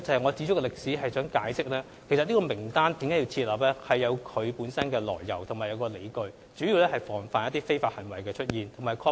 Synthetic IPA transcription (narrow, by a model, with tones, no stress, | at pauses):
t͡sɐ˨˧hɐ˨jŋɔː˨˧t͡siː˧˥t͡ʃʰʊ˥kɛ˧lɪ˨k̚siː˨˥ɦɐ˨jsœː˨˥ŋkaː˨˥jsɪ˥k̚lɛː˥ | kʰe˨˩jsɐ˨tniː˥kɔ˧mɪ˨˩ŋt̪aː˥nt̪iː˨˥mkaː˨˥ji˧wt͡sʰiː˧t̚laː˨p̚lɛ˥hɐ˨jːɐ˨˧wkʰɵ˨˧ɥpuː˨˥nsɐ˥nkɛː˧lɔ̰ː˨˩jːɐ̰˨˩wt̪ʰʊ˨˩ŋmaː˨˩jɐ˨˧wkɔː˧le˨˧jkɵ˨ɥ | t͡ʃy˨˥jiː˧wlɛː˥hɐ˨˩jfɔː˨˩ŋfaː˨˧njɐ˥t̪i˥fe˥jfaː˧t̚hɐ˨˩nwɐ˨˩jkɛː˧t͡ʃʰɵ˥t̚jiː˨nʰʊ˨˩ŋmaː˨˩jkʰɔː˧˥